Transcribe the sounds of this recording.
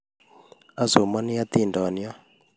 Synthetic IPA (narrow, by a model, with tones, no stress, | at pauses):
a˦zo˨ma˦ni˦a˦t̪i˦˨ndɔ˨ni˦ɔ˦